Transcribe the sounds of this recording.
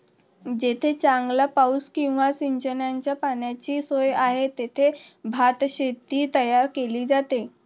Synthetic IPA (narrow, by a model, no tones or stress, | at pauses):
d͡ʑet̪ʰet͡ɕãŋɡlapauskĩw̃ʋasiɲt͡ɕənjaɲt͡ɕjapanjat͡ɕiːsojaɦet̪et̪ʰebʱat̪ɕet̪ːiːt̪əjaɾkeliːd͡zat̪e